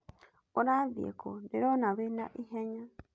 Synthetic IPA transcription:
oɾaðiḛkʰodeɾonaβena̰ʔiɦeɲa

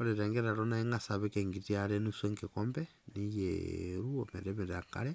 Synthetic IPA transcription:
oɾeɾeŋɡeɾaɾonaiŋasaβekeŋɡitiaɾenuseŋkekombɛ | nijeɾuomeɾeβeɾaka̰ɾe

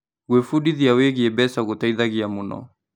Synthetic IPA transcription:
ɣwefudiðiaweɣiɛbɛsaɣotaiðaɣiamunɔ̰

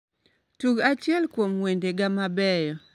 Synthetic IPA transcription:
tuɡat͡ʃɪɛlkwomwendeɡamabɛjɔ

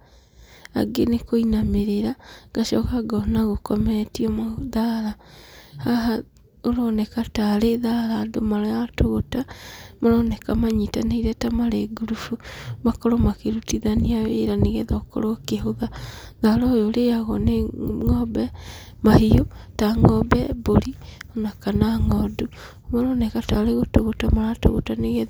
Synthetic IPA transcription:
a̰ɡenekoinameɾeɾaɡ̥aʃɔkaɡɔnaɣokɔmɛtiɔmðaɾahaɦa | oɾɔnɛkataɾeðaɾaːdomaɾɔjatoɣotamoɾɔnɛkamaɲitanaiɾɛtamaɾeɡuɾufumakɔɾɔmakeɾutiðaniawḛɾaneɣɛðɔkɔ̰ɾɔkeɦoðaðaɾɔjoleaɣɔ̰neŋɔbɛ | mahijotaŋɔbɛbolionakanaŋɔdu | maɾɔnɛkataɾeɣotoɣotamaɾato̰ɣo̰taneɣe

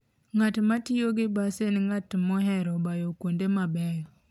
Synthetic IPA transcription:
ŋatmatɪjoɡɪbasenŋatmɔɦɛɾɔbajokwondemabɛɾ

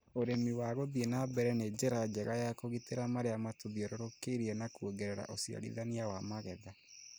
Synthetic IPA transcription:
oɾemiwaɣoðienabɛɾɛned͡ʑɛɾad͡ʒɛɣajakoɣiteɾamaɾeamatoðiɔɾoɾokeɾiɛnakuoɡɛɾɛɾa̰ʔosia̰ɾḭðaniawamaɣɛða

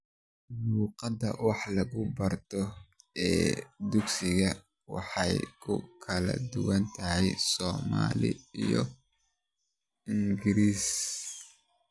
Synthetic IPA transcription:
muːqɑd̪ɐ̰wɑħlɐɣʊbɐrt̪ʰɔɛːd̪ʊɡsɪɣɐ | wɑ̰ħɑjkʰʊ̰kʰɐlɐ̰d̪ʊwɐnt̪ʰɐɦɛjsɔːma̰ːlɪ̰ijɔ̰ | ɪŋɡɪɾiːs

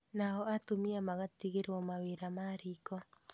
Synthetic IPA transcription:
naɦɔatomiamaɣatiɣeɾwɔmaweɾamaɾiːkɔ

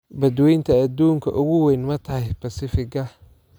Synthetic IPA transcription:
bɐd̪wɛjnt̪ʰɐɐd̪uːŋkʰɐ̰ʔʊɣʊwɛjnmɐt̪ʰɐhɛjbɐsɪfɪɡɐ

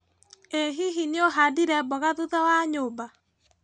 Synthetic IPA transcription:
eɦiɦinioɦadiɾɛbɔɣaðuðawaɲoːba

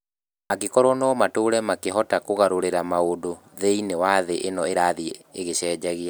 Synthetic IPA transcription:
akekɔɾwɔnɔmatoːɾɛmakeɦɔtakoɣaɾoɾeɾamaodoðeinewaðeʔenɔeɾaðieɣeɕɛːd͡ʒɛɣea

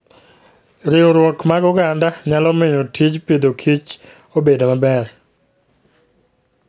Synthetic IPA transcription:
ɾɪoɾwɔkmaɡʊɡandaɲalɔmɪɲotʰit͡ʃpid̪okʰit͡ʃ | obedomabɛɾɛ

